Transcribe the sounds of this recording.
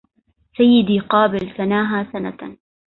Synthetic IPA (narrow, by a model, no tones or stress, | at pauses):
sajːɪd̪iːqɑːbɪlsanaːɦaːsana̰